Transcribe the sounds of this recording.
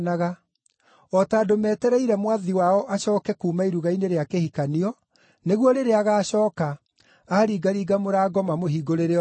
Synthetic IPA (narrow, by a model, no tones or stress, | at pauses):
naɣa | ɔtaːdomɛːtɛɾɛiɾɛmwaðiwaɔʔaɕɔːkɛkuːmaiɾuɣaineɾeakehikaniɔ | neɣwɔɾeɾeaɣaːɕɔːkaː | ɾiːɡaɾiːɡamoɾaːɡɔmamoɦiːɡoɾeɾe